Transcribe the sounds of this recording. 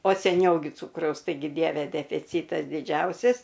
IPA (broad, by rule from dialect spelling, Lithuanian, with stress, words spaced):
oː sʲɛˈnʲɛʊ ɡʲɪ ˈt͡suːkrɐʊs tɐɪˈɡʲɪ ˈdʲiɛʋʲɛ dʲɛfʲɪˈt͡sʲiːtɐs dʲɪˈd͡ʒʲɛʊsʲɪs